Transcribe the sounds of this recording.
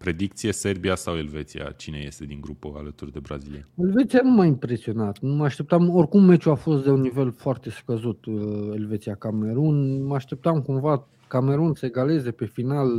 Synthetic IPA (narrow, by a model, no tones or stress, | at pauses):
pɾe̞d̪ik̚t̪sije̞se̞rbiasawe̞lve̞t̪sia̰t͡ʃine̞je̞̰st̪e̞d̪iŋɡɾupəa̰lət̪urd̪e̞bɾa̰zilijeelve̞t̪sijanumajimpɾe̞sio̞nat̪numəaʃt̪e̞p̚t̪amo̞rʲkumːe̞t͡ʃuafo̞st̪̚d̪e̞unːive̞lfoart̪e̞skəzut̪e̞lvet̪sijakame̞ɾunməaʃt̪e̞p̚t̪amkumva | kame̞ɾunsəeɡale̞ze̞pe̞final